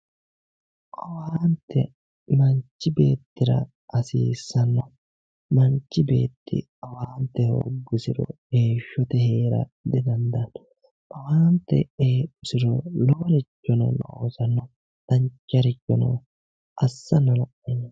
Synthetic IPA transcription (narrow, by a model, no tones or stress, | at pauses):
ʔɐwaːnt̪ːɛ | mɐɲt͡ʃːɪbe̞ːt̪ːɪɾɐ̰ | ɐsiːsːɐnːɔ | mɐɲt͡ʃːɪbe̞̰ːt̪ːɪ̰ | ɐwaːnt̪ːɛho̰ːɡːɪsɪɾɔ̰ | eːʃːɔt̪ɛheːɾɐ̰d̪ɪd̪ɐnd̪ɐn | ʔɐwaːnt̪ːɛ̰eːpːɪsɪɾɔlɔɐɾɪt͡ʃːɔnɔ̰nɔ̰o̰ːsɐnːɔ | d̪ɐɲt͡ʃːɐɾɪt͡ʃʼːɔnɔ̰ | ʔɐsːɐnːɔlɐʔɛn